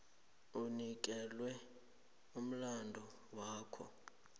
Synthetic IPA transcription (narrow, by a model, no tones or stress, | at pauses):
unik̬ʼɛlwɛ | um̩landʱɔ | waːkʰɔ̰